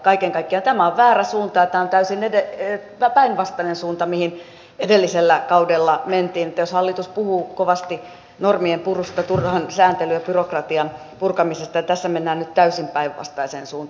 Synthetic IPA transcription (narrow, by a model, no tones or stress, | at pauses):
kɑikeŋkɑikːiɑnt̪æmæoʋʋæːræsuːnt̪ɑjɑt̪æːont̪æysinede | æpæinʋɑst̪ɑinensuːnt̪ɑmihin | edelːiselːækɑudelːɑment̪iːnĕt̪ːæjoshɑlːit̪uspuhuːkoʋɑst̪i | normiempurust̪ɑt̪urhɑnsæːnt̪elyjɑpyrokrɑt̪iɑn | purkɑmisest̪ɑjɑt̪æsːæmenːæːnnyt̪t̪æysimpæiʋʋɑ̰st̪ɑiseːnsuːnt̪ɑ